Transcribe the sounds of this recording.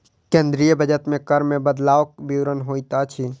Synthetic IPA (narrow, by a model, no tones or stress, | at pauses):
kẽːnd̪ɾijəbʱəd͡ʒət̪mẽkəɾmẽbəd̪laːʋək̚biwɾənɦoːit̪at͡ʃʰi